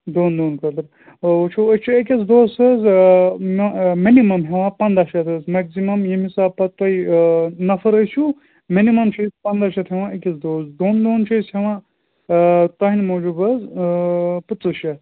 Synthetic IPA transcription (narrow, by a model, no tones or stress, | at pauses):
d̪oːnd̪oːnkɐd̪ɾ | t͡ʃʰuɐt͡ʃʰiek̬ʲɐzd̪oːsɐz | minimɐmɦeʋãːpɐnd̪aʃɐt̪ʰɨzmɐɡsimɐmjimisaːbpɐt̪ːɐjnɐfɐɾɐsʲu | minimɐmt͡ʃʰɐspɐnd̪aʃɐt̪ʰɦeʋãɐkʲɐzd̪oːzd̪oːnd̪oːnt͡ʃʰɐsheʋã | t̪ɐɦinmoːd͡ʒubɐz | pɨt͡s̪ːɨʃɐt̪